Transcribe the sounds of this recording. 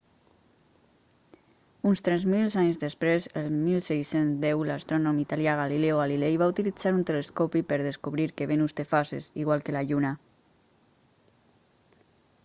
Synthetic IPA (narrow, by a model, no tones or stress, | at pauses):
unst̪ɾɛzmilzaɲzðəspɾezəlmilˠsɛjsenzd̪ɛwlast̪ɾɔnomit̪aljaɣ̞alileoɣalilejβaut̪ilid͡zaɾunt̪eleskopipəɾðeskuβɾiɾkeβenust̪efasḛziɣwalˠkelaʎuna